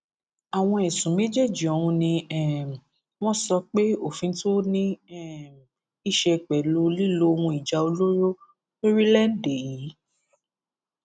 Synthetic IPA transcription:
a˨w̃ɔ̃˧ɛ˨sũ˨˦me˦d͡ʒe˦˨d͡ʒi˨ɔ˨wũ˧nĩ˧ɛ˦˨m˨ | w̃ɔ̃˦sɔ˧k͡pe˦o˦˨fĩ˧to˦nĩ˦ɛ˦m˨ | i˦˨ʃɛ˧˨k͡pɛ˨lu˧li˦lo˦˧wũ˧i˨d͡ʒa˧o˧lo˦ɾo˦ | lo˦ɾi˦lɛ˦n˦˨de˨ji˨˦

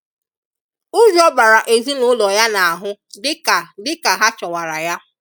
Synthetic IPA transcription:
ʊ˦d͡ʒi˦ɔ˦ba˨ɾa˨ʔe˨zi˦nʊ˦lɔ˨ja˦na˨a˨ɦʊ˦dɪ˦ka˨dɪ˦ka˨ɦa˦t͡ʃɔ˨wa˨ɾa˨ja˦

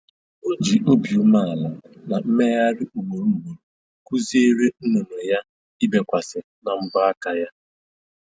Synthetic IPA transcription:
o˦d͡ʒi˨ʔo˦bi˨u˦ma˦a˨la˨na˨m̩˦me˦ja˦ɾɪ˦ʔu˨me˨ɾu˦˨me˨ɾ | ku˦zi˦e˦ɾe˦n̩˦no˨no˨ja˦ | i˦be˨kʷa˨sɪ˨ | na˨m̩˦bʊ˦a˦ka˨ja˦

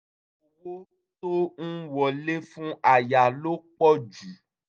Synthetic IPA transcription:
wo˦ | to˦n̩˦wɔ˨le˦fũ˦ʔa˨ja˨lo˦k͡pɔ˦d͡ʒu˨˦

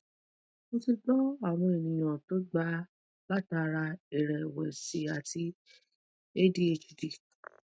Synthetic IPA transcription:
mo˧ti˧ɡ͡bɔ˦a˦˨w̃ɔ̃˧e˨nĩ˨j̃ã˨to˦ɡ͡ba˦ | la˦ta˧ɾa˧e˨ɾɛ˨wɛ˨si˨a˨ti˧˦ | e˦di˦e˧˨d͡ʒu˨di˨

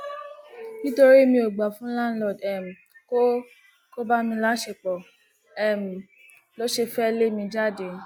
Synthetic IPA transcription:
kĩ˦to˧ɾi˦mĩ˧o˨ɡ͡ba˨fũ˦la˦n̩˦lɔ˦˨dɛ˨m̩˨ | ko˦ | ko˦ba˦mĩ˧la˦ʃe˧˨k͡pɔ˨ | ɛ˨m̩˨ | lɔ˨˦ʃe˧fɛ˦˧le˦mĩ˧d͡ʒa˦˨de˨

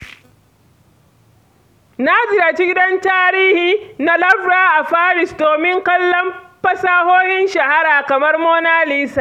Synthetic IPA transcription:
naː˦zɪ˨jaː˨t͡ʃi˦ɡʲɪ˦dɐ˦ntaː˦ɾiː˦hiː˨na˦lɐ˦ɸɽaː˦ʔa˨ɸaː˦ɾɪ˨sdoː˨mɪ˦ŋkɐ˦lːɐ˦mɸɐ˦saː˦hoː˦hɪ˦nʃɐ˨ha˦ɾaː˨kɐ˨mɐ˦rmoː˦naː˦liː˦saː˨

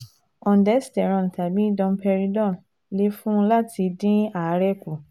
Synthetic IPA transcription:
ɔ̃˨n̩˨dɛ˨˦si̥˦˨tɛ˨ɾ̃ɔ̃˧˨n̩˨ta˨bĩ˦dɔ̃˧m˦pɛ˧ɾi˧dɔ̃˦˨n | le˦fũ˦˧˦la˦ti˧dĩ˦a˨˦ɾɛ˦˨ku˨

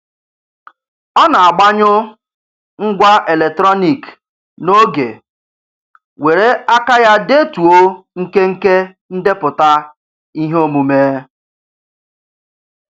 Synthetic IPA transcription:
ɔ˦na˨a˨ɡ͡ba˦ɲʊ˦ | ŋ̩˦ɡʷa˦ʔe˨le˨k̚tɾɔ˦ni˨k | no˦ɡḛ˨ | we˨ɾe˦a˦ka˦ja˦de˦tu˨o˦ŋ̩˦ke˦ŋ̩˦ke˦ | n̩˦de˦pʊ˨ta˦ | i˦ɦo˦mu˨meː˦

